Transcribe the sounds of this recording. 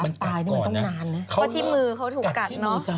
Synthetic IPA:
a˨ma˧nt̪aː˧jna˥˩m˧t̪ɔ˥˩ŋnaː˧nːa˦˥kʰa˦˥t̪ʰiː˥˩mɯː˧kʰa˦˥wt̪ʰuː˨˩˨ka˨˩˦nɔ˦˧a˧˩

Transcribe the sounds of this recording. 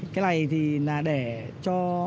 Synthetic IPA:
kaː˨˦la˨˩jt̪ʰi˨˩naː˨˩ɗe˧˩t͡ɕɔ˧

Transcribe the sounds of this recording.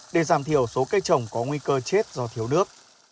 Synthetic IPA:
ɗe˨˩zaː˨˩mt̪ʰi˧˩əwso˨˦kaː˦˥k̚t͡ɕə˨˩wŋ͡mkɔ˨˦ŋwi˧kəː˧t͡ɕe˦˥t̚zɔ˧t̪ʰi˨˦əwnɨ˦˥ək̚

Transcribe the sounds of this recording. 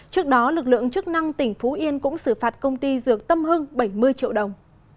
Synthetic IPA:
t͡ɕɨ˦˥ək̚ɗɔ˨˦lɨ˨˩k̚lɨ̰˧˨əŋt͡ɕɨ˦˥k̚na˧ŋt̪ï˧˩ŋ̟fu˨˦ʔi˧ənkʊ̰˧˥ŋ͡msɨ˧˩faː˨˩t̚kə˧wŋ͡mt̪i˧zɨ˨˩ək̚t̪ə˧mɦɨ˧ŋɓə˧˩jmɨ˧əjt͡ɕḭ˧˨əwɗə˨˩wŋ͡m

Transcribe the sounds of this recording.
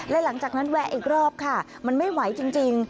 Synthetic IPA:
lɛ˦˥la˩˦ŋt͡ɕaː˨˩k̚na˦˥nwɛ˦˥ʔiː˨˩k̚ɾɔː˥˩p̚kʰa˥˩ | ma˧nma˥˩jwa˩˦jt͡ɕi˧ŋt͡ɕi˧ŋ

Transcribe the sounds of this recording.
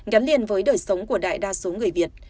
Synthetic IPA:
ɣa˨˦jnli˧ənvəː˨˦jɗəː˨˩jsə˨˦wŋ͡mku˧˩əɗa̰ː˧˨jɗaː˧so˨˦ŋɨ˨˩əjvi˨˩ət̚

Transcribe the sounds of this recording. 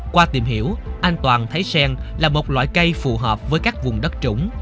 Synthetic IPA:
kwaː˧t̪i˨˩mɦḭ˧˥əwʔaː˧jŋ̟t̪waː˨˩nt̪ʰə˨˦jsɛː˧ŋlaː˨˩mo˨˩t̚lwa̰ː˧˨jkə˧jfṵ˧˨˩ɦəː˨˩p̚vəː˨˦jkaː˦˥k̚vʊ˨˩ŋ͡mɗə˦˥t̚t͡ɕʊ̰˧˦wŋ͡m

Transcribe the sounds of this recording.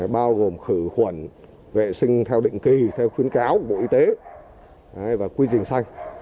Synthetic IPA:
ɓaː˧wɣo˨˩mxɨ˧˩xwə˧˩n | vḛ˧˨sï˧ŋ̟t̪ʰɛ˧wɗḭ̈˧˨ŋ̟ki˨˩t̪ʰɛ˧wxwi˨˦ənkaː˨˦wɓo̰˧˨ʔi˧t̪e˨˦ | ʔa˨˧˦jvaː˨˩kwi˧zï˨˩ŋ̟sa˧jŋ̟

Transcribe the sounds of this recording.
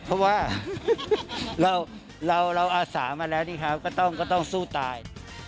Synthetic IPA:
pʰɔ˦˥waː˥˩ | ɾa˧w | ɾa˧wɾa˧wʔaː˧sa̰ː˩˦maː˧lɛː˦˥wniː˥˩kʰa˦˥kɔː˥˩t̪ɔ˥˩ŋkɔː˥˩t̪ɔ˥˩ŋsuː˥˩t̪aː˧j

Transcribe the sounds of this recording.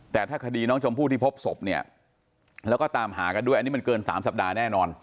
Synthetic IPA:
t̪ɛː˨˩t̪ʰaː˥˩kʰa˧diː˧nɔː˦˥ŋt͡ɕʰo˧mpʰuː˥˩t̪iː˥˩pʰo˦˥p̚so˨˩p̚ni˥˩ɐ | lɛː˦˥wkɔː˥˩t̪aː˧mɦa̰ː˩˦ka˧ndu˥˩ʔni˦˥ma˧nkɤː˧nsa̰ː˩˦msa˨˩p̚daː˧nɛː˥˩nɔː˧n

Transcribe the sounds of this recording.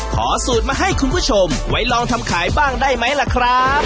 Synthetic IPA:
kʰɔ̰ː˩˦suː˨˩t̪̚maː˧ɦa˥˩jkʰu˧npʰuː˥˩t͡ɕʰo˧mwa˦˥jlɔː˧ŋt̪ʰa˧mkʰaː˩˦jbaː˥˩ŋdaː˥˩jma˦˥jla˨˩kʰɾa˦˥p̚

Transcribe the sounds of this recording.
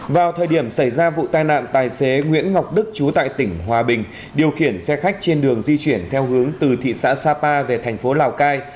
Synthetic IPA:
vaː˨˩wt̪ʰəː˨˩jɗi˧˩əmsa˧˩jzaː˧vṵ˧˨t̪aː˨jna̰ː˧˨nt̪aː˨˩jse˨˦ŋwḭ˧˥ənŋa˨˩wk͡p̚ɗɨ˦˥k̚t͡ɕu˨˦t̪a̰ː˧˨jt̪ï˧˩ŋ̟ɦwaː˨˩ɓï˨˩ŋ̟ | ɗi˨˩əwxi˧˩ənsɛ˧xa˦˥k̚t͡ɕe˧nɗɨ˨˩əŋzi˧t͡ɕwi˧˩ənt̪ʰɛ˧wɦɨ˨˦əŋt̪ɨ˨˩t̪ʰḭ˧˨sa̰ː˧˥saː˧paː˧ve˨˩t̪ʰɛ˨˩jŋ̟fo˨˦laː˨˩wkaː˧j

